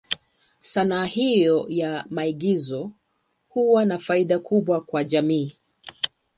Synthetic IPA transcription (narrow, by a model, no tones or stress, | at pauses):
sanaːhijɔjamaiɠizɔ | huwanafaiɗakʰuɓwakwaʄamiː